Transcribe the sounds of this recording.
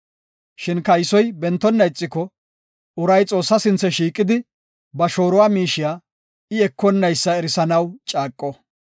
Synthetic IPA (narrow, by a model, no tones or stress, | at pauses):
ʃɪnkɐjsɔjbɛnt̪ːɔnːɐjt͡sʼːɪkɔ | ʊɾɐjt͡sʼo̞ːsːɐsɪnt͡sːɛʃiːkʼːɪd̪ɪ | bɐʃo̞ːɾɔwaːmiːʃɪjaː | ɪɛkːɔnːɐjsːɐɛɾɪsɐnɐwt͡ʃʼaːkʼːɔ